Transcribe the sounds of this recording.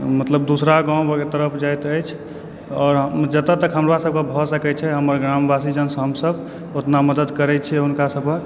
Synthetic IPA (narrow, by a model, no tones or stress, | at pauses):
mət̪ləb̚d̪usɾaɡãw̃bəɡet̪əɾəpʰd͡ʒajt̪əjt͡ʃʰ | ɔːɾɦd͡ʒət̪ət̪əkɦəmɾasəb̚kebʱɔsəkɛt͡ʃʰɛɦəmːəɾɡɾambʱasid͡ʒənsɦəmsəb | ot̪naməd̪əd̪kəɾɛt͡ʃʰieɦunkasəbkə